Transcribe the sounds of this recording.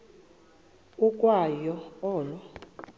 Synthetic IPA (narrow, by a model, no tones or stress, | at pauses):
ukʼwajɔɔːlɔ